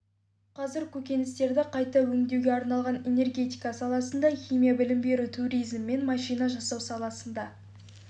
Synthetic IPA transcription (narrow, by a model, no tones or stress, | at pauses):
qʰɑzɪɾkʲʰɵkʲe̞nɪst̪e̞ɾd̪ɪqʰɑjt̪ɑwɵŋd̪ewɡʲe̞ɑɾnɑlˠʁɑne̞ne̞rɡʲe̞t̪ijkɑsɑlˠɑsənd̪ɑχʲijmʲijabɪlɪmbe̞ɾut̪ʰuɾijzmːe̞nmɑʃijnɑʒɑsɑwsɑlˠɑsənd̪ɑ